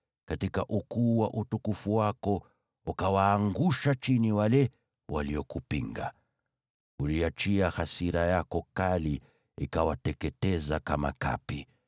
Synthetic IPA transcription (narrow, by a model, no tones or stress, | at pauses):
katikaʔukuːwaʔutukufuwakɔ | ukawaːŋɡuʃat͡ʃiniwalɛ | waliɔkupiŋɡa̰ | uliat͡ʃiahasiɾajakɔkali | ḭkawatɛkɛtɛzakama̰ka̰pi